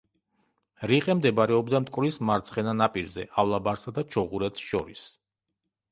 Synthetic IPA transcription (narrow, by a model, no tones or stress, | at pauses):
ɾiqʼɛmd̪ɛbaɾɛɔbd̪amt̪ʼkʼvɾismaɾt̪sʰχɛnanapʼiɾzɛ̰ʔavlˠabaɾsad̪at͡ʃʰɔʁuɾɛt̪ʃɔ̰ɾis